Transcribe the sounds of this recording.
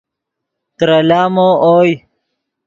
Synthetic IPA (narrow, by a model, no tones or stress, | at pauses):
t̪ɾɐlaːmooːj